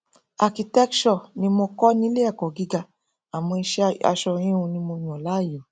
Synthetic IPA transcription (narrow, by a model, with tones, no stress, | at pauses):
a˨ki˨tɛ˦kʃɔ˦˨nĩ˧mo˧kɔ˦nĩ˦le˦a˦˨kɔ˨ɡi˨˦ɡa˧ | a˨mɔ̃˧i˧ʃa̰˧ʃɔ˧ɾ̃ĩ˦ũ˧nĩ˧mo˧j̃ɔ̃˨la˨˦˨jo˨